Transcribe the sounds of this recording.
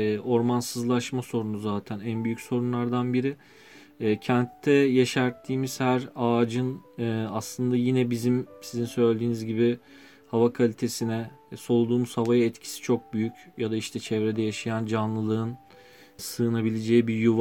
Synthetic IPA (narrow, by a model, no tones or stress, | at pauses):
ʔo̞ɾmansɯzlˠaʃmaso̞ɾunuzaːt̪ʰænænbyjycʲso̞ɾunlˠaɾd̪anbiɾɪː | cʰɛnt̪ʰːɛjaʃæɾt̪ʰːiːmiz̥hæɾaːd͡ʒɯnɯːaslˠɯnd̪ajinɛbizimsizinsø̞jlʲd̪iːnizɟibi | havakʰalʲit̪ʰe̞sinɛso̞lˠud̪uːmuz̥havajaɛt̪cʰi̥si̥t͡ʃʰo̞k̚byjycjad̪aiʃt̪ʰɛt͡ʃʰɛvɾed̪ɛjaʃajand͡ʒanlˠɯlˠɯɯn | sɯːnabilʲed͡ʒɛjibijuv